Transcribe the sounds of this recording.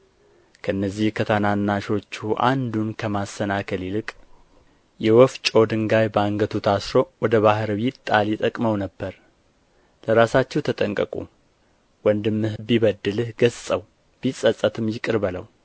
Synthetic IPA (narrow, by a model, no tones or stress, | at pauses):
kʰəʔɨnːəzːihkʰət̪ʰananːaʃo̞t͡ʃːuʔa̰nd̪unkʰəmasːənakʰəlilɨkʼ | jɛwɔft͡ʃʼo̞d̪ɨŋɡajbaŋɡət̪ʰut̪ʰasɾo̞wɔd̪əβahɾwit̪t̪ʼːalit̪ʼəkʼməwnəbːəɾ | ləɾasat͡ʃːɛwt̪ʰət̪ʼəŋkʼəkʼṵ | wɔnd̪ɨmːɨhɨbiβəd̪ːɨlɨhɡəzt͡sʼəw | b̥isʼəsʼət̪ʰɨmjɪkʼɨɾβələw